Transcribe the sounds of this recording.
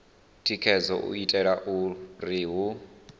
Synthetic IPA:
tʼikʰɛd͡zɔʔṵitʼɛɺaʔuriɦu

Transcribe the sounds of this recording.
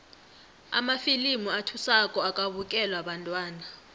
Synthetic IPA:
a̰mafilimuatʰusakʼɔakʼaβukʼɛlwaɓantʼwaːna

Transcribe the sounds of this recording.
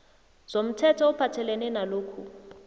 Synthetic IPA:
z̥om̩tʰɛtʰɔʊpʰatʰɛlɛnɛnaloːkʰu

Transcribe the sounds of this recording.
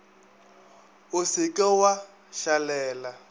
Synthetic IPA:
ʊsikʼɛwa | ʃalɛːla

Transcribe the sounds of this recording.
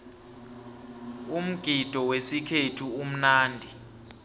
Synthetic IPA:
um̩ɡ̥ʱid̥ʱɔwesikʰetʰuum̩naːndʱi

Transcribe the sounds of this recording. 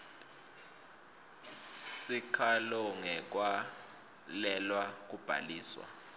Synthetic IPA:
sikʰalɔŋɛk̬wa | lɛlwak̬ub̥ʱa̰liːswa̰

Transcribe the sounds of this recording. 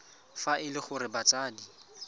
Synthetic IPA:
faʔɪlɪχʊɾɪbat͡sʼaːdi

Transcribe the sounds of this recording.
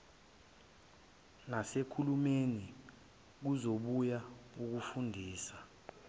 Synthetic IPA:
nasekʰulumeni | k̬uzoɓujauk̬ufundʱiːsa

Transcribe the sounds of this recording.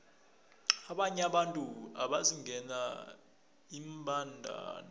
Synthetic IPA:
aɓaɲaɓantʼua̰ɓaziŋɛna | imbʱandʱa̰ːna

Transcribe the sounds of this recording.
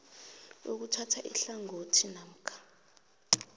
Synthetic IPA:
ok̬utʰatʰaʔḭɬaŋotʰinam̩kʰḁ

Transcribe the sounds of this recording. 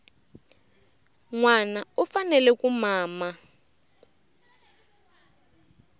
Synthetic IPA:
ŋwanaufanɛlɛkumaːma

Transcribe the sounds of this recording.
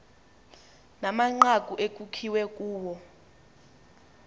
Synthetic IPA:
namaŋ͡ǃakʼuʔek̬ʼukʰiwɛk̬ʼuːwɔ

